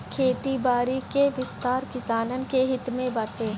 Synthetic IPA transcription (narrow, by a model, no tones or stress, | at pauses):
kʰeːt̪ibaːɾikeʋɪst̪aːɾkɪsaːnən̆keɦɪt̪mẽbɐɾt̪eː